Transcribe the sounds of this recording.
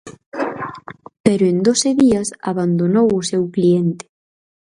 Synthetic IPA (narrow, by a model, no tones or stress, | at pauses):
pɛɾʊend̪osɪðiɐsa̰βand̪onowʊsewklient̪ɪ̥